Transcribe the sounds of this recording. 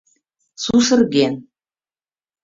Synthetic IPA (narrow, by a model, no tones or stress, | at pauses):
suʃɤ̆rɣen